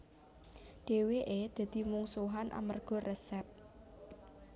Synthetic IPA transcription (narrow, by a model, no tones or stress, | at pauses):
ɖ̥e̤weʔed̪̥ä̤d̪̥i̤muŋsuɦanʔa̰mərɡ̥ɔ̤rʔɛsɛp̚